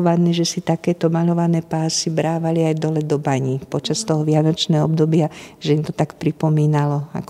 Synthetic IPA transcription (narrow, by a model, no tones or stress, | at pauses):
ʋanɛʒɛsit̪akɛːt̪ɔmaʎɔʋanɛːpaːsibɾaːʋaliajd̪ɔlɛd̪ɔbaɲipɔt͡ʃast̪ɔɦɔʋɪanɔt͡ʃnɛːɦɔɔbd̪ɔbɪaʒɛimt̪ɔt̪akpɾipɔmiːnalɔa̰k